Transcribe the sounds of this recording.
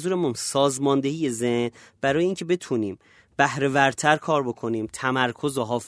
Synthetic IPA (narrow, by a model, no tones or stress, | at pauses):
zuːɾe̞munsɒːzmɒːnd̪e̞hiːje̞zehnb̥æɾɒːjeiːŋcʲʰe̞be̞t̪ʰuːniːm | b̥æhɾe̞væɾt̪ʰæɾkʰɒːɾbo̞kʰo̞niːmt̪ʰæmæɾkʰo̞zoɦɒːf